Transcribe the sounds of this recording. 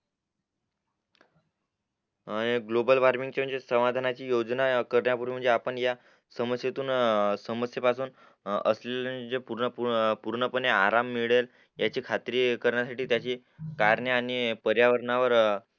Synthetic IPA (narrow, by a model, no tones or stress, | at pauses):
eɡlobəlʋaɾmiŋɡt͡ɕem̤əɳd͡zesəmad̪ʱanat͡ɕiːjod͡znakəɾɳjapuɾʋiːm̤əɳd͡zeapəɳja | səməsjet̪uːnsəməsjəpasuːn | ə̰sleld͡zepuɾnəpupuɾɳəpəneaɾamːiɭel | jat͡ɕiːkʰat̪ɾiːkəɾɳjasaʈiːt̪jat͡ɕiː | kaɾɳjəanipəɾjaʋəɾɳaʋəɾ